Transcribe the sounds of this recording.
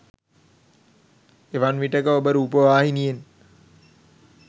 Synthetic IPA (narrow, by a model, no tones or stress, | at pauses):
eʋanʋiʈəkəobəɾuuːpəʋaːɦinijen